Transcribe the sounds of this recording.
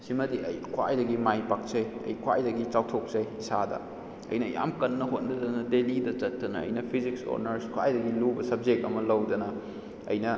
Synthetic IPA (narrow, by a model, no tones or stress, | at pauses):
simɐdiɐ̰jkʰwa̰jdɐɡimajpak̚sɐjɐ̰jkʰwa̰jdɐɡit͡ʃawtʰok̚sɐjisadɐ̰ | ɐ̰jnɐja̰mkɐnːɐɦot̚nɐdɐnɐdelidɐt͡ʃɐtːɐnɐ̰ɐ̰jnɐpʰizikso̰ɾnɐɾskʰwa̰jdɐɡilubɐsɐb̚d͡ʒek̚tɐmɐlɐwdɐnɐ̰ː | jnɐ